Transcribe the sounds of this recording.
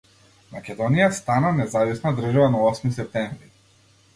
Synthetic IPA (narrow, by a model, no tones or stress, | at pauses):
makʲɛd̪ɔnijast̪ananɛzavisnad̪r̩ʒavanaɔsmis̬ɛp̚t̪ɛɱvɾi